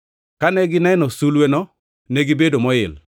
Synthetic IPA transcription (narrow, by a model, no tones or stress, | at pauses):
kanɛɡɪnɛnɔsulwenɔ | nɛɡibedomɔɪl